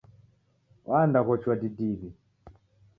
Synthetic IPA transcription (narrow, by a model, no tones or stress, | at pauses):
wʔandakɔt͡ʃwadidiβi